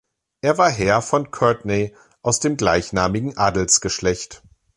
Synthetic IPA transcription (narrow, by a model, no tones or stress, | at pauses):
ʔeːɐvaːɐɦɛɐfɔnkʰœɐtne | ʔaʊsd̥eːmɡlaɪçnaːmɪɡŋ̩ʔaːdl̩sɡ̥əʃlɛçt